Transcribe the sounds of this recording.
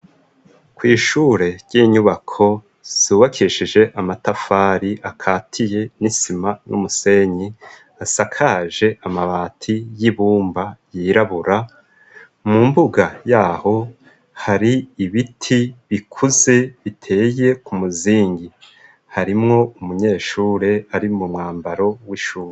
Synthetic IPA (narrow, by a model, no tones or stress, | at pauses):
kwiːʃuːɾe̞ɾɟ̥iːɲuβakʰo̞ | z̥uːβakʰiʃiʒe̞ʔamatafaːɾiʔakʰaːtʰije̞nisimanʔṵmuse̞ɲi | asakʰaːʒe̞ʔamaβaːtʰijiβuːmbajiːɾaβuɾa | mumbuɡajaːho̞ | haɾiːβitʰiβikʰuze̞βitʰe̞ːje̞kumuziːŋɡi | haɾimŋo̞umuɲe̞ːʃuːɾe̞aɾimumŋaːmbaɾo̞wiʃuːɾe